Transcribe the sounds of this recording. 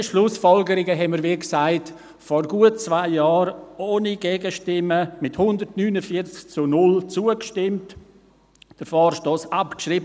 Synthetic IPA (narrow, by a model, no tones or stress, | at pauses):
ʃlʊsfɔlɡəɾɪɡəɦɛnməɾʋiksaɪt | fɔɾɡuətt͡svaɪjɑːɾoːniɡɛːɡəʃtɪməmɪthʊndəɾtnyːnəfiət͡skt͡sʊnʊlt͡suəkʃtɪmt | d̥əɾfɔːɾʃtoːsapkʃɾib